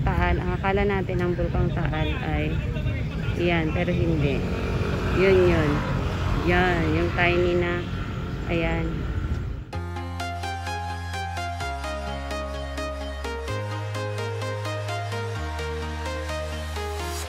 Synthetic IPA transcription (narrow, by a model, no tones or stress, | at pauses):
t̪aʔalʔɐ̰ŋɐkaːlɐnaːt̪ɪnɐŋbʊlk̪oŋt̪aʔalʔaj | janpɛːɾoɦɪnd̪ɛ | jonjonjanjʊŋt̪ajnina | ʔɐjan